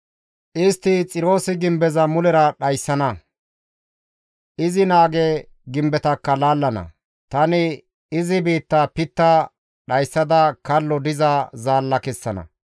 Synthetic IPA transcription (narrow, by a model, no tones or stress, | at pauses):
ʔɪst̪ːɪt͡sʼɪɾo̞ːsɪɡɪmbɛzɐmʊlɛɾɐɗɐjsːɐnɐ | ʔɪzɪnaːɡɛ | ɡɪmbɛt̪ɐkːɐlaːlːɐnɐ̰ | t̪ɐnɪ | ɪzɪbiːt̪ːɐpɪt̪ːɐ | ɗɐjsːɐd̪ɐkɐlːɔd̪ɪzɐzaːlːɐkɛsːɐnɐ̰